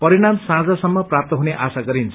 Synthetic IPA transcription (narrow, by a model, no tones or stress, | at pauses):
pʌɾiɽ̃amsãd͡zasʌmːʌprap̚t̪ʌɦuneʔasaɡʌɾint͡sʰ